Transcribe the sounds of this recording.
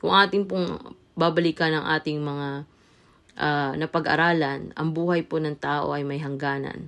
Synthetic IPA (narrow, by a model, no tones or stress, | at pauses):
kʊŋɐŋʔaːt̪ɪŋpoŋ | babɐlikɐnɐŋʔa̰ːt̪ɪŋmɐŋa | ʔanɐpɐɡʔɐ̰ɾaːlɐnʔɐ̰ŋbuːhɐjponɐŋt̪aːʔo̞̰ʔɐjmɐjɦɐŋɡaːnɐ̰n